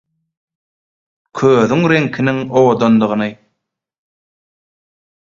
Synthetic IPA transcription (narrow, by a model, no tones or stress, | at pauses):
kʰøːðyŋɾeŋkʰiniŋowod̪ond̪ɯʁɯnɯ